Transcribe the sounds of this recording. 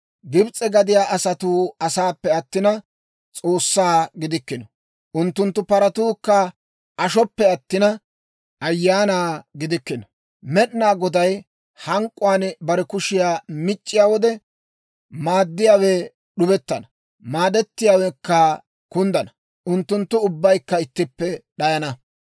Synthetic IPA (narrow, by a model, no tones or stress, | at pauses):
ɡɪbt͡sʼːɛɡɐd̪ɪjaːʔɐsɐt̪uɐsaːpːɛɐt̪ːɪnɐ | t͡sʼo̞ːsːaːɡɪd̪ɪkːɪnɔ | ʔʊnt̪ːʊnt̪ːʊpɐɾɐt̪uːkːɐ | ʔɐʃɔpːɛɐt̪ːɪnɐ | ɐjːaːnaːɡɪd̪ɪkːɪnɔ | mɛɗnaːɡɔd̪ɐj | hɐŋkʼːʊwaːnbɐɾɛkʊʃɪjaːmɪt͡ʃʼːɪjaːwɔd̪ɛ | maːd̪ːɪjaːwɛ | ɗʊbɛt̪ːɐnɐ | maːd̪ɛt̪ːɪjaːwɛkːɐ | kʊnd̪ɐnɐ | ʔʊnt̪ːʊnt̪ːʊʊbːɐjkːɐɪt̪ːɪpːɛɗɐjɐnɐ